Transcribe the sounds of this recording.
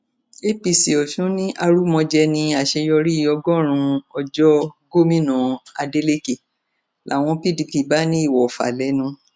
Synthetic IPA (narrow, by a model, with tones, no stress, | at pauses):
e˦pi˨si˨ɔ˨ʃũ˨˦nĩ˦ʔa˧ɾu˦mɔ̃˧d͡ʒɛ˧nĩ˧a˨ʃe˧jɔ˧ɾi˦˧˦ɔ˧ɡɔ˦˨ɾ̃ũ˧ɔ˧d͡ʒɔ˦ɡo˦mĩ˦nɔ̃˨a˧de˧˦le˦ke˨ | lʔa̰˨w̃ɔ̃˧pi˦di˧pi˨ba˨˦nĩ˦i˦˨wɔ˨fa̰˨lɛ˨˦nũ˧